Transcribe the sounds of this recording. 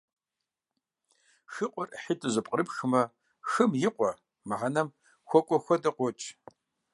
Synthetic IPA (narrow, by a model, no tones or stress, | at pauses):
xɨqʷʼɔrħitʰʼɨzɨpʼqʼəɾɨpxmɐ | xɨmjɪqʷʼɔ | mɨʁanɐm | xʷɔkʷʼɔxʷɔdɐqʷɔt͡ʃʼ